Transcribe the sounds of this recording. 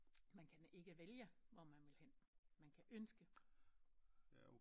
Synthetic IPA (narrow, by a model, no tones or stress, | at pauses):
mænkʰæne̝ɡ̥əʋeljəʋɒmænʋe̝lhenmænkʰæʔønsɡ̥ə